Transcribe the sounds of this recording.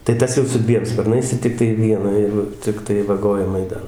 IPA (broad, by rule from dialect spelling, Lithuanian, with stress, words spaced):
tɐɪ ˈtɐs jɛʊ sʊ ˈdʲʋʲiɛm spɐrˈnɐɪs ɪ ˈtʲɪktɐɪ ˈʋʲiɛnɑː ˈjɛɪɡʊ ˈt͡sʲɪktɐɪ ʋɐˈɡoːjɪmɐɪ ˈdɐr